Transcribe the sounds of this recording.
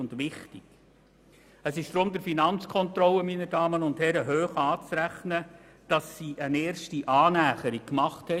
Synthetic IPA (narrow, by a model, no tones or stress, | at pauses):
ʊndʋɪχtɪɡ̥ | əsɪʃd̥ɾʊmd̪əɾfinɑnt͡skʰɔntɾɔlːəminədɑːmənʊnthɛɾəɦøːχɑːt͡sɾæχnə | d̥ɑsːiːʔəneːɾʃtiʔɑːnæːχəɾik̚kmɑχthɛ